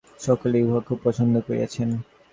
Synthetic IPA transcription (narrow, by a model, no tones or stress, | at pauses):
ʃɔkolebʱakʰːub̚pːɔt͡ɕʰond̪ʱokoɾḛa̰t͡ɕʰen